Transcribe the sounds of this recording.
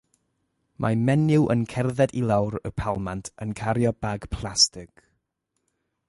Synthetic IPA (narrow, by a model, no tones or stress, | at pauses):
mʔamɛnɪwʔə̰nkʰɛrðɛdilˠawɾəpʰalˠmantʰənkʰaɾjɔbaɡ̥pʰlˠastɪkʰ